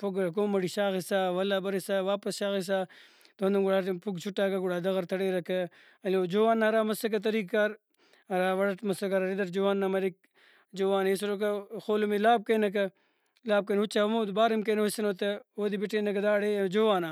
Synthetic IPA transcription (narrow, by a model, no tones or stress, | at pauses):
poɡk̬oːmɐɽiʃaːxisaːʋɐlaːbɐɾisaːʋaːpɐsʃaːxis̬aː | t̪ond̪ɐmɡuɽaːpuɡt͡ʃʰuʈːaːkɐɡuɽaːd̪ɐɣɐɾt̪ʰɐɽeːɾɐkʰɐ | ɐloːd͡ʒoːwaːnːaɾaːmɐsɐk̬ɐt̪ɐɾiːkːaːɾ | ɐɾaːʋɐɽɐʈmɐsɐkɐɾɐɾid̪ɐʈd͡ʒoʋaːnːɐmɐɾik̚ | d͡ʒoːʋaːnesɾokɐxoːlumilaːb̚kɐnɐk̬ɐ | laːb̚kɐnut͡ʃaɐmobaːɾimkɐnɐusɐnot̪eoːd̪ibiʈeːnɐkɐd̪aːɽeːd͡ʒoːʋaːnaː